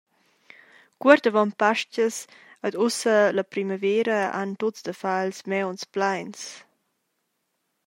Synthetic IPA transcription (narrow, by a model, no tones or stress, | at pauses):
kwəɾtəvɔnpaʃt͡ʃəs | ədusələpɾiməvɛːɾəa̰ntosdəfalsmɛwnsplajns